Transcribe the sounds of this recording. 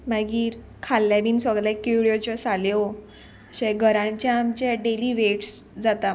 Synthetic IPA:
maɡiːɾ | kʰalːjabʱiːnsʋəɡɾlakiɽjot͡ɕɔsaleo | əɕeɡʱəɾãɲt͡ɕjaːmt͡ɕjaɖeliːʋeʈsd͡zat̪a

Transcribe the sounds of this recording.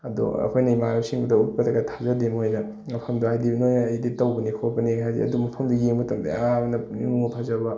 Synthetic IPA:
ɐdṵɐ̰pʰojnɐimaɾɐmsiŋbɐdɐut̚pɐdɐɡɐtʰazɐdimojnɐ | mɐpʰɐmduɦajdibnojnɐjditɐwbɐnikʰopɐniɦajzḭɐ̰dumɐpʰɐmduɡeŋbɐtɐŋdḛamɐnɐniŋupʰazɐbɐ

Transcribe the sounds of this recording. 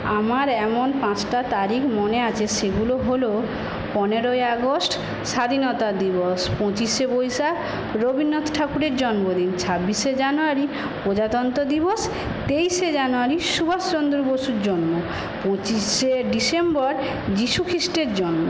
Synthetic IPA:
amaɾɛmonpãt͡ɕʈat̪aɾikʰmoneat͡ɕʰeʃeɡuloɦolo | pɔneɾoeaɡosʈ | ʃad̪ʱinɔt̪ad̪iboʃpɔ̃t͡ɕiʃebojʃa | ɾobʱinːot̪ʰʈʰakuɾeɾd͡ʑɔnmod̪int͡ɕʰabːiʃed͡ʑanoaɾi | pod͡ʑat̪ɔnt̪od̪iboʃ | t̪ejʃed͡ʑanoaɾiʃubʱast͡ɕond̪ɾoboʃuɾd͡ʑɔnmo | pɔ̃t͡ɕiʃeɖisembɔɾ | d͡ʑiʃukʰɾisʈeɾd͡ʑɔnmo

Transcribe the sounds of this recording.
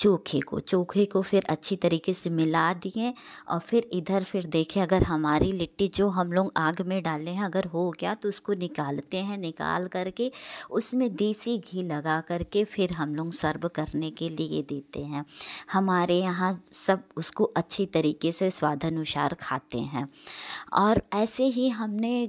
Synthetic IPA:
t͡ʃoːkʰeko̰t͡ʃoːkʰekofɪɾɐtːʃʰit̪ɐɾiːkesemɪlad̪iẽɔ̰ːɾfɪɾɪd̪ʱəɾfʰɪɾd̪eːkʰẽɐɡəɾɦɐmaːɾilɪʈːid͡ʒoːɦɐmloːɡaːɡmẽɖaːlẽɦɛ̃ɐɡəɾɦoɡɐjat̪oʊskonɪkaːlt̪eɦɛ̃nɪka̰ːlkɐɾkeʊsmẽd̪iːsiɡʱiːlɐɡakɐɾkefʰɪɾɦɐmloːɡsɐɾbkɐɾnekeliḛd̪eːt̪eɦɛ̃ːhɐmaːɾejɐɦãsɐb̚ʊskoʔɐtːʃʰit̪ɐɾiːkeseswaːd̪ʱənʊʃa̰ːɾkʰaːt̪ḛɦɛ̃ːɔːɾɛːseɦiɦɐmne

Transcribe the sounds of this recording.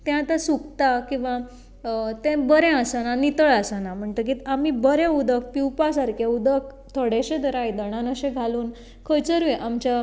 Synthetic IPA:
t̪ɛ̃at̪asukt̪akĩw̃ʋa | t̪ẽbəɾɛ̃əsənanit̪əɭasanam̤əɳt̪ək̬iːt̪amibəɾẽud̪ək̚piwpasaɾkaud̪ək̚ | t̪ʰəɽeɕẽd̪əɾajd̪əɽ̃anəɕẽɡʱaluːn | kʰəjt͡səɾujeʔamt͡ɕa

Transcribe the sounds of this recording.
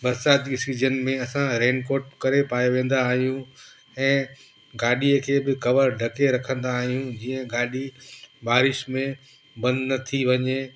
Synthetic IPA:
bɐɾsaːt̪iɪsiːzənmẽɐsãɾẽːnkoːɾʈ̚kɐɾepaːjeʋẽːn̆d̪aːɦijũ | ɛ̃ː | ɡaːɗiəkʰeːbɪkɐʋəɾɖʱɐkeɾɐkʰə̃nd̪aːɦijũd͡ʑiːə̃ɡaːɗibaːɾɪʃmẽ | bɐ̃nd̪nɐt̪ʰiʋɐɲeː

